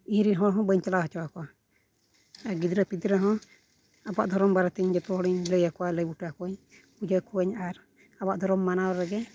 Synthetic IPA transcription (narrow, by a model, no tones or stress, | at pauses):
iɾiɦɔɽɦɔ̃bəɲt͡ʃalaɦɔt͡ʃɔwakɔa | ɡid̪ɾəpid̪ɾaɦɔ̃ | abaʔd̪ʱɔɾɔmbaɾat̪iɲd͡ʒɔt̪ɔɦɔɽiɲləjakɔwaləjbuʈakɔɲ | pud͡ʒəkuəɲaɾ | abaʔd̪ʱɔɾɔmːanawɾɛɡɛ